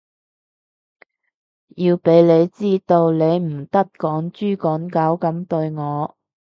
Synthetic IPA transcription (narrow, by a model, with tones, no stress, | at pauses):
jiː˧wpe˨˥jle˨˧jt͡siː˥t̪o˧wle˨˧jm̩˨˩t̪ɐ˥k̚kɔː˨˥ŋt͡ʃyː˥kɔː˨˥ŋkɐ˨˥wkɐ˨˥mt̪ɵ˧ɥŋɔː˨˧